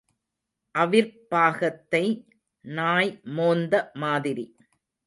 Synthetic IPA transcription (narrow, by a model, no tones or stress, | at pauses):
ʔɐʋɪɾpaːɣɐt̪ːɐɪ | naːjmoːnd̪ɐmaːðɪɾi